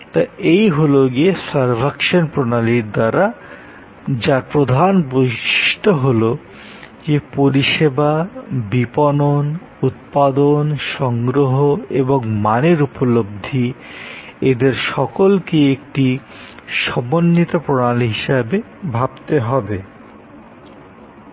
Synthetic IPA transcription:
t̪aejɦoloɡiesaɾbʱakʃonpɾonaliɾd̪aɾa | d͡ʑapɾod̪ʱanbojʃi̥ʃʈʰoɦolo | d͡ʑepoɾiʃebabiponon | ut̪̚pad̪onʃɔŋɡɾoɦoeboŋmaneɾupolob̚d̪ʱi | ed̪eɾʃɔkolkiek̚ʈi | ʃɔmonːit̪opɾonalɦiʃabe | bʱab̚t̪eɦɔbe

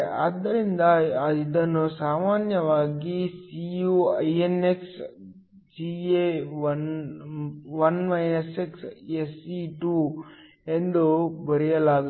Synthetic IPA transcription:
ɐd̪ːɐɾind̪ɐɐid̪ɐnːusaːmaːnjɐʋaːɡisijuːɐjeneks | d͡ʒieʋɐn | ʋɐnmɐjnɐseksesiʈuː | end̪ubɐɾijɐlaːɡ

